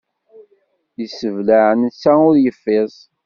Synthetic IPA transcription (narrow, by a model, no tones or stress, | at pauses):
jəsəvlaʕənsæʊɾjəfːɪzˤ